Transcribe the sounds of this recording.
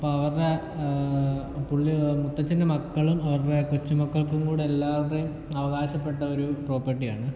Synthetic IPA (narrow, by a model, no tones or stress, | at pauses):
ɐpːoːɐʋɐrɽe | puɭːimut̪ːɐt͡ɕːinːɐmɐkːɐɭumɐʋɐrɽe̞kut͡ɕːumɐkːɐɭkumkuːɽɨelːaːʋɐrejum | ɐʋɐɣaːɕɐpːe̞ʈːɐo̞ɾupro̞ːpːɐʈːija̰ːɳɨ